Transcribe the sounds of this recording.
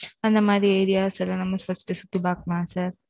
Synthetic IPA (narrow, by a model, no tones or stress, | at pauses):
ɐnd̪ɐmaːd̪ɾiɐjɾijaːsɐlɐnɐmːɐsfɐsʈ̪esut̪ːibaːk̚maːsɐɾ